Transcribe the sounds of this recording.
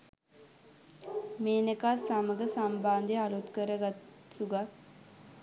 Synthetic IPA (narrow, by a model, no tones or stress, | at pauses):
meːnekaːsaməɡəsambaːnd̪ealut̪kəɾəɡat̪ | suɡat̪